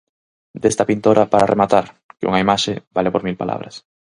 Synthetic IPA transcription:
d̪est̪apint̪oɾʔapaɾarʔemat̪aɾ | kɪṵŋaimaʃebalepoɾmilpalʔa̰βɾas

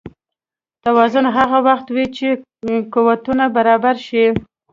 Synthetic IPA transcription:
t̪awɑzʊnɦaɣawaxt̪wit͡ʃe | kuwat̪unabaɾɑbaɾʃi

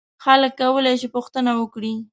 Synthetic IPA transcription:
xaləkːawəlajʃɪpʊxt̪ənawəkɽi

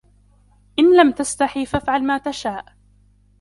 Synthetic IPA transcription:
ʔɪnlamt̪ast̪aħiːfafʕalmaːt̪aʃaːʔ

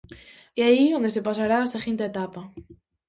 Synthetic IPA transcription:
iaiond̪esepas̬aɾasexint̪aet̪apa

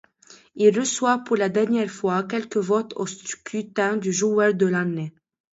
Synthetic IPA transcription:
ilʁəswapuʁlad̪ɛʁnjɛʁfwakʲɛlkəvɔt̪ʰost̪kʰyt̪ɛ̃d̪yʒuœʁd̪əlane

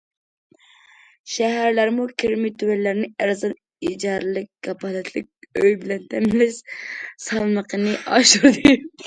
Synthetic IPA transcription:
ʃɛɦæɾlæɾmukʲʰiɾmit̪ʰywɛlːæɾnɪɛɾzɑn | id͡ʒɑɾlˠɪk̚ʲɡɑpʰɑlɛt̪ʰlɪ̰k̚ʲøjbɪlɛnt̪ʰɛmlɪʃsɑlˠməqənɨʔɑ̰ʃuɾd̪ɨ

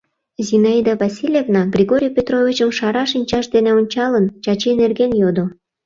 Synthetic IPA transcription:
zinɑid̪ɑvɑsʲilʲjevnɑɡrʲiɣoɾʲijpʲet̪rovʲit͡ɕəmʃɑɾɑʃ̬inʲt͡ɕɑʃd̪eneonʲt͡ɕɑlənt͡ɕɑt͡ɕenerɣenjod̪o

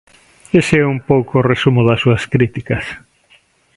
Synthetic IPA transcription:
esɛumpowkoːresumʊðɐsuɐskɾit̪ikɐs

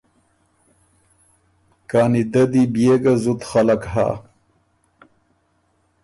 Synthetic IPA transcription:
kaːnid̪ɐd̪ibjeːɡazut̪xɐlakɦa̰

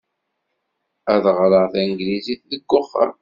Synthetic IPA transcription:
æðʁɾəʁθæŋɡliziθðəɡːʊχːə̰ɾ

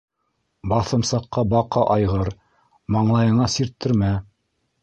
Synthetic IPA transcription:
bɑθɤ̆msɑqːɑbɑqɑʔɑjʁɤɾ | mɑɴlˠɑjɤ̆ɴɑsiɾt̪ːɘ̆ɾmæ

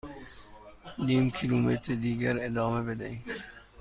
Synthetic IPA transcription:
niːmkʰiluːmet̪ɾed̪iːɡæɾed̪ɑːmebed̪aiːm

